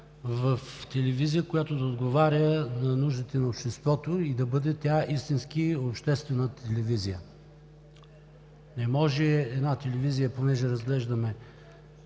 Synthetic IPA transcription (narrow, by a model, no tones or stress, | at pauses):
vəft̪ɛlɛvizijəkojat̪od̪ɐod̪ɡovaɾʲənɐnuʒd̪ət̪ɛnɐopʃt̪ɛst̪vɔt̪oid̪ɐbɤd̪ɛt̪ʲaʔist̪inskiopʃt̪ɛst̪vɛnət̪ʰɛlɛvizijə | nɛmɔʒɛɛd̪nat̪ɛlɛvizijəponɛʒɛɾɐzɡlɛʒd̪ɐmɛ